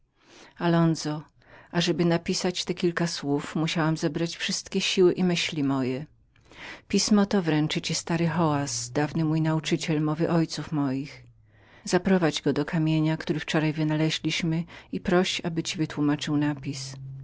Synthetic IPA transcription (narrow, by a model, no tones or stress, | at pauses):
alɔnzɔ | aʐɛbɘnapʲisat͡ɕt̪ɛkʲilkaswufmuɕawamzɛbɾat͡ɕfʂɘst̪kʲɛɕiwɘʔimɘɕlʲimɔjɛ | pʲismɔt̪ɔvɾɛnt͡ʂɘt͡ɕist̪aɾɘxɔwasd̪avnɘmujnaut͡ʂɘt͡ɕɛlmɔvɘʔɔjt̪sufmɔjix | zapɾɔvad͡ʑɡɔd̪ɔkʰamʲjeɲakt̪uɾɘft͡ʂɔɾajvɘnalɛʑlʲiɕmɘipɾɔɕabɘt͡ɕivɘt̪wumat͡ʂɘwnapʲis